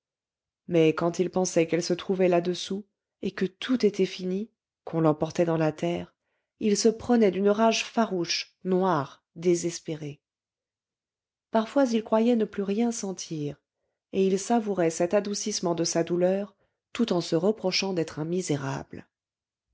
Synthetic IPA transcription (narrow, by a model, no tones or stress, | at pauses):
mɛkɑ̃t̪ilpɑ̃sɛkɛlsət̪χuvɛlad̪əsu | ekət̪ʰut̪et̪ʰɛfini | kʰɔ̃lɑ̃pɔʁt̪ɛd̪ɑ̃lat̪ɛːʁ | ilsəpχənɛd̪ynʁaʒfaʁuʃ | nwaʁ | d̪ezɛspeʁe | paʁfwazilkχwajɛnəplyʁjɛ̃sɑ̃t̪ʰiːʁ | eilsavuʁɛsɛt̪ad̪usismɑ̃d̪əsad̪ulœʁ | t̪ut̪ɑ̃səʁəpχɔʃɑ̃d̪ɛt̪χɛ̃mizeʁa̰bl